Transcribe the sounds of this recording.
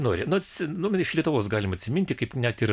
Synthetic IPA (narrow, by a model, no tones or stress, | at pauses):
noːɾʲɪnʊɐsʲnʊmʲɪʃlʲiɛt̪ʊʋoːsɡɑːlʲɪmɐt̪ʲsʲɪmʲɪnʲt̪ʲɪkɐɪpnʲɛt̪ɪr